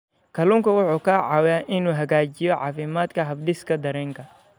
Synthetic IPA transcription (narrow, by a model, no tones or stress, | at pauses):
kʰɐluŋkʰɐwʊħuːkʰaːʕɑwaːʔɪnuːɦɐɣaːt͡ʃɪjɔʕɑ̰ːfɪmaːd̪kʰɐɦɐbɖɪskʰɐd̪ɐɾɛːŋkʰɐ